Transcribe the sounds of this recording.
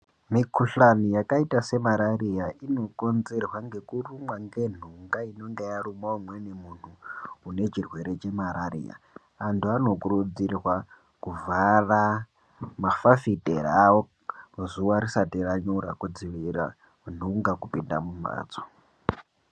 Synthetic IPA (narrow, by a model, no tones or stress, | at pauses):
mikʰuɬanijakaitase̞maɾaɾijaino̞konzerwaŋɡe̞kurumwaŋɡe̞n̤uŋɡaino̞ŋɡejaɾumwaumwenemun̤uːne̞t͡ʃirwe̞ɾe̞t͡ʃe̞maɾaɾḭja̰ | antʰuano̞kuɾud͡zirwa | kuvara | mafafitʼeɾawo | uzuwaɾisatiɾaɲuɾa̰kud͡ziʋiɾa̰ | n̤uŋɡakupinda̰muma̰ːd͡zo̥